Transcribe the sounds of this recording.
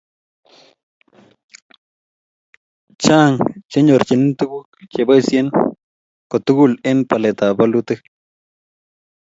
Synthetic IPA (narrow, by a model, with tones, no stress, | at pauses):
t͡ʃa˦˨ŋt͡ʃe˦ɲo˨ɾt͡ʃe˨n˦nt̪u˦ɡu˦kt͡ʃe˨ba˦sje˦n | ko˨t̪u˦ɡu˦˨le˦npa˨le˨t̪a˨ba˦lu˦t̪ɨ˦